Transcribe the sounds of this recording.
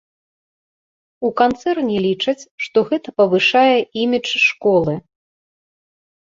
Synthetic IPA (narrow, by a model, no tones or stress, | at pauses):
ukant̪sɛrnʲilʲit͡ʂɐt͡sʲʂt̪ɔɣɛt̪ɐpɐvɨʂajɛimʲit͡ʂʂkɔlˠɨ